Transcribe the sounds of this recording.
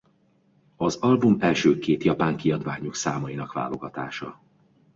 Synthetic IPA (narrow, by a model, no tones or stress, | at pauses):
ɒzɒlbumɛlʃøːkeːt̪jɒpaːŋkiɒd̪ʋaːɲuksaːmɒjinɒkʋa̰ːlo̞̰ɡɒt̪a̰ːʃɒ